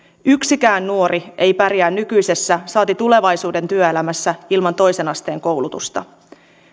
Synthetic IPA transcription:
yksikæːnːuo̞ɾie̞jpærjæːnːykyjse̞sːæsɑːt̪it̪ule̞ʋɑjsuːde̞nt̪yøelæmæsːæilmɑnt̪o̞jse̞nɑst̪e̞ːŋko̞wlut̪ust̪ɑ̰

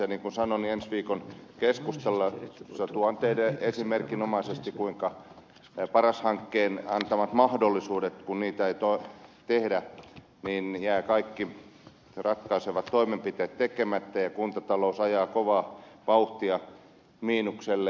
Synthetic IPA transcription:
seniːŋkunsɑnoniensʋiːkonkeskust̪elːɑsɑt̪uɑnt̪eidæesimerkinomɑisest̪ikuiŋkɑ | pɑrɑshɑŋkːeːnɑnt̪ɑmɑt̪mɑhdolːisuːdet̪kunniːt̪æeit̪ot̪ehdæ | niːnjæːkɑikːi | rɑkːɑiseʋɑt̪toimempit̪eːt̪t̪ekemæt̪ːæjɑkunt̪ɑt̪ɑlousɑjɑːkoʋɑːʋɑuht̪iɑ | miːnukselːe

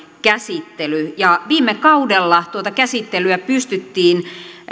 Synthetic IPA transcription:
kæsit̪ːelyjɑʋiːmːekɑudelːɑt̪uot̪ɑkæsit̪ːelyæpyst̪yt̪ːiːn

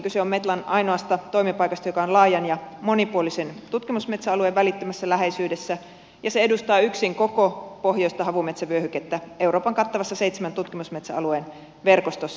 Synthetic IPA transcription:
kyseommet̪lɑnʔɑinoɑst̪ɑt̪o̞imipɑikɑst̪ɑjokɑonlɑːjɑnjɑmo̞nipuolisent̪ut̪kimusmet̪sæɑlueʋælit̪ːømæsːælæɦeisyːdesːæ | jɑseedust̪ɑːyksiŋko̞kopo̞hjoist̪ɑɦɑʋume̞t̪sæʋyøhyket̪ːæe̞uwɾʔoːpɑŋkɑt̪ːɑʋɑsːɑseit̪semænt̪ut̪kimusmet̪sæ̰ɑ̰lueːn | ʋe̞rkost̪osː

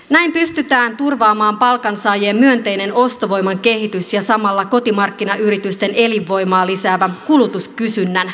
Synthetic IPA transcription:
næimpyst̪yt̪æːnt̪urʋɑːmɑːmpɑlkɑnsɑːjeːmːyønt̪e̞jne̞no̞st̪o̞ʋo̞jmɑŋke̞ɦit̪ysjɑsɑmɑlːɑko̞t̪imɑrkːinɑʔyɾit̪yst̪e̞nʔe̞liʋːo̞jmɑːlisæːʋækulut̪uskysynːæn

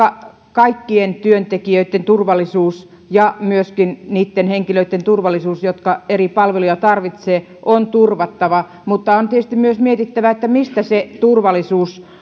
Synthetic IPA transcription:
ɑ | kɑikːient̪yønt̪ekiøit̪ːent̪urʋɑlːˑisuːs | jɑmyøskinniːt̪ːenheŋkiløit̪ːent̪urʋɑlːˑisuːsjot̪kɑeripɑlʋelujɑt̪ɑrʋit̪seː | ʔont̪urʋɑt̪ːɑʋɑ | mut̪ːɑont̪iet̪est̪imyøsmiet̪it̪ːæʋæet̪ːæmist̪æset̪urʋɑlːˑisuːs

